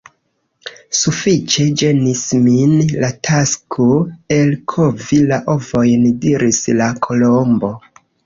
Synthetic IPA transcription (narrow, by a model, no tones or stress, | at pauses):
sufit͡ʃe̞d͡ʒe̞nisminlatʰaskʰoe̞lkʰo̞vilaʔo̞vo̞jndiɾislakʰo̞lombo̞